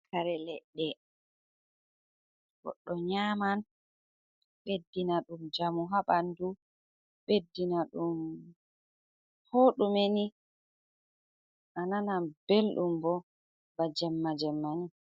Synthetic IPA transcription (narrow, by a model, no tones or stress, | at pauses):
kʰaɾɛlɛɗːɛ | ɡɔ̰ɗːɔɲaːman | ɓedːinaɗumd͡ʒamuɦaɓandu | ɓedːinaɗum | hoːɗumeni | ʔananabelɗumbɔ | bad͡ʒɛmːad͡ʒɛmːani